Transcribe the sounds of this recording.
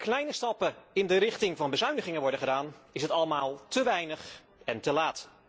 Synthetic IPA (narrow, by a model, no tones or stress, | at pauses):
klɛjnəstɑpəɪndəɾɪχtɪŋvɑnbəzœɥndəχɪŋənʋɔɹdəχədaːnɪsɦətɑləmaːlˠtəʋɛjnəχ | ɛntəlaːt